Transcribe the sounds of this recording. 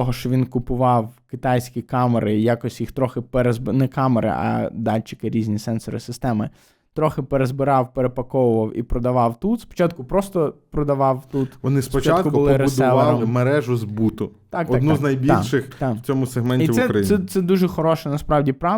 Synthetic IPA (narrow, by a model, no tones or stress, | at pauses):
ɔɦɔʃt͡ʃɔʋʲinkʊpʊʋɑwkɪt̪ɑjsʲkʲikɑmeɾɪjakɔsʲtʲjixt̪ɾɔxɪpeɾezbɪnɛkɑmeɾɪ̰ʔɐ̰d̪ɑlʲt͡ʃɪ̥kɪɾʲizʲnʲisɛnsɔɾɪ̰sɪst̪ɛmɪ | t̪ɾɔxɪpeɾezbɪɾɑwpeɾepɐkɔʋʊʋɐwḭpɾɔd̪ɐʋɑwt̪ut̪spɔ̥t͡ʃɑt̪̚kʊpɾɔst̪ɔpɾɔd̪ɐʋɑwt̪ut̪ʋɔnɪspɔt͡ʃat̪kʊbbʊlˠɪɾʊd̪ʊlˠɐɑlɾɔmˠɪmeɾɛʒʊzbut̪ʊt̪ɑktɔakd̪nuznɐjbʲilʲʃɪxt̪ḁt͡sʲɔmʊseɦmɛnʲiisɛɾɐjiɛt̪sɛd̪uʒɛxɔɾɔʃɛnɐspɾɑwdʲipɾɑ